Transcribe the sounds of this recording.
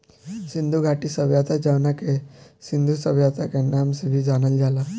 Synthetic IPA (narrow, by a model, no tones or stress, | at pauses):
sind̪ʱuɡʱaʈisəbjat̪ad͡ʒawnakesind̪ʱusəbjat̪akenamsebʱid͡ʒanəld͡ʒala